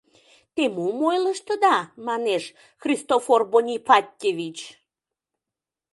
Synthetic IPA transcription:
t̪emumojləʃt̪əd̪ɑmɑneʃ | xrʲist̪oforbonʲipɑt̪̚ʲkʲevit͡ɕ

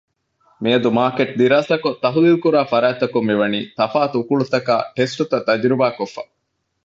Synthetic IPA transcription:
miɐd̪umaːkeʈ̚d̪iɾaːsɐkot̪ɐɦulilkuɾaːfɐɾaːt̪ːɐkumːiʋɐnḭːt̪ɐfaːt̪ukuɭut̪ɐka̰ːʈesʈut̪ɐt̪ːɐd͡ʒɾibaːkofːɐ̰

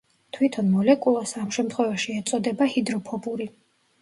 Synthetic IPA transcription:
t̪ʰwit̪ʰɔnmɔlɛkʼulˠasamʃɛmt̪ʰχwɛvaʃiɛt̪sʼɔd̪ɛbahid̪ɾɔpʰɔbuɾi

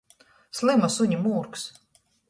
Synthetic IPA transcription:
slˠimasuɲʲimuːɾks

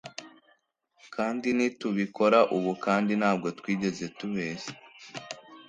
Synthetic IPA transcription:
kaːndinituβiko̞ɾaʔuβukaːndinhaːb̚ɡo̞twiːɟe̞ze̞tuβe̞ːze̥

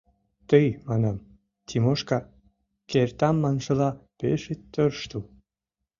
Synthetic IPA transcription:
t̪əjmɑnɑm | t̪ʲʰimoʃkɑ | kert̪ɑmːɑnʃə̆lɑpeʃet̪ːørʃt̪u

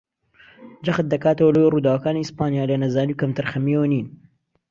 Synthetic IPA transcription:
d͡ʒɐxət̪̚d̪ɐkaːt̪əwɐlɐweruːd̪aːwɐkaːnispaːnijaːlɐnɐzaːniwkɐmt̪ʰɨɾxɐmiwɐniːn

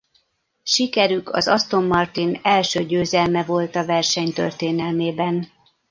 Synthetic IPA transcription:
ʃikɛɾykʰɒ̰zɒst̪o̞mːɒrt̪inɛlʃøːɟøːzɛlmɛvo̞lt̪ɒvɛrʃɛɲt̪ø̰rt̪eːnɛlmeːbɛn

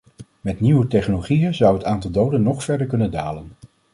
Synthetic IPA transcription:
mɛtniwətɛχnoloχijənzʌwɦətaːntɑlˠdowdənːɔχfɛɹdəɹkɵnənda̰ːlən

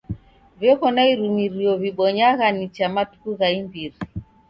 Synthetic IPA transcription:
vjɔkɔnaiɾumiɾiɔβiɓɔɲaɣanit͡ʃamatu̥kuɣaimbiɾi

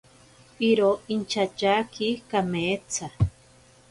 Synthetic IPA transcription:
iɾoint͡ʃat͡ʃakikameːt͡sʰa

